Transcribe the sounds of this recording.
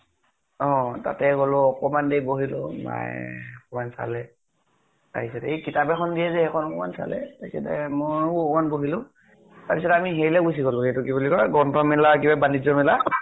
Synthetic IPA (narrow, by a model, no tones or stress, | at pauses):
ɔ̃ta̰tɛɡolʊɔkɔmandejboɦilʊ̰ma̰jɔkɔmansa̰lɛ | ta̰ɦisɛtakikitabɛxʰɔndijɛzɛhɛkʰɔnɔkɔma̰nsa̰lɛ̰takɛ̰tɛ̰mɔɔkɔmanboɦilʊ | taɹpisɔtamiɦeɹilɛɡusiɡolʊ̃hejtukibulikɔɹɡɔntʰɔmɛlakibabanizɔmɛla